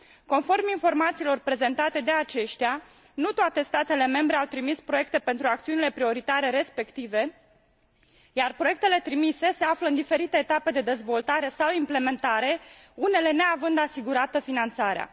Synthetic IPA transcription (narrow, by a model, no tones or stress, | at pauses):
ko̞nfo̞rminfo̞rmat̪siːlo̞rpɾe̞ze̞nt̪at̪e̞d̪e̞at͡ʃe̞ʃt̪ea | nut̪oat̪e̞st̪at̪e̞le̞me̞mbɾe̞awt̪ɾimispɾo̞je̞k̚t̪e̞pe̞nt̪ɾuakt̪siunile̞pɾio̞ɾit̪aɾe̞ɾe̞spe̞kt̪ive̞ | jarpɾoe̞k̚t̪e̞le̞t̪ɾimise̞se̞afləɨnd̪ife̞ɾit̪eːt̪ape̞d̪e̞d̪e̞zvo̞lt̪aɾe̞sawimple̞me̞nt̪aɾe̞ | une̞le̞ne̞avɨnd̪asiɡuɾat̪əfinant̪saɾea̰